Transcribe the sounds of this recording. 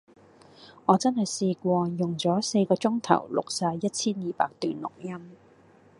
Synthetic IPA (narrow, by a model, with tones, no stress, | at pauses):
ŋɔː˨˧t͡sɐ˥nhɐ˨jsiː˧kʷɔː˧jʊ˨ŋt͡sɔː˨˥se˧jkɔː˧t͡sʊ˥ŋt̪ʰɐ̰˨˩wlʊ̰˨k̚saː˧jjɐ˥t̚t͡sʰiː˥njiː˨˧pa̰ː˧k̚t̪yː˨nlʊ̰˨k̚jɐ˥m